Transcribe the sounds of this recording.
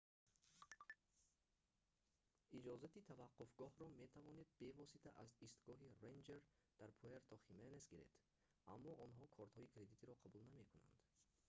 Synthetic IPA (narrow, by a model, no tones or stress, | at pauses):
id͡ʒɔzat̪it̪ʰavaqːufɡɔhɾɔme̞t̪ʰavɔne̞d̪̚be̞vɔsit̪ʰaʔazist̪ɡɔɦiɾejnd͡ʒeɾd̪̥aɾpʰueɾt̪ʰɔχimenesɡiɾḛd̪̥ | a̰mːɔʔɔnɦɔkʰɔɾt̪hɔikʰɾe̞d̪it̪ʰiɾɔqʰabulname̞kʰuna̰nd̪̥